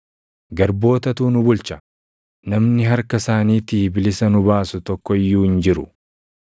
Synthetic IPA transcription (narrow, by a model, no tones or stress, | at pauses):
ɡɐɾbo̞ːt̪ɐt̪uːnʊbʊlt͡ʃɐ | nɐmnɪɦɐɾkɐsaːniːt̪ɪbɪlɪsɐnʊbaːsʊt̪ɔkːɔɪjːuːɪnd͡ʒɪɾʊ